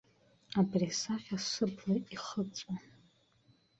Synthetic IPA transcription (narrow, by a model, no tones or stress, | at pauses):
abrisaχʲasɨblaiχət͡sʷʼa